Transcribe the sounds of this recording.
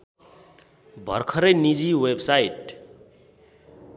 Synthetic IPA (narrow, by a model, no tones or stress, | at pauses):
bʱʌ̰rkʰʌɾʌjnid͡ziwebsajʈ